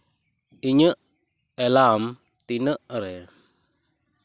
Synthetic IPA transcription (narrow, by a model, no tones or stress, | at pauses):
iɲəʔ | ɛlam | t̪inəʔɾɛ